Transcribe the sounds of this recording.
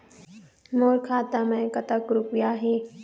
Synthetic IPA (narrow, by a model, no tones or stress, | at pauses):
moːɾkʰaːt̪amẽːkɐt̪əkɾʊpɪjaːɦeː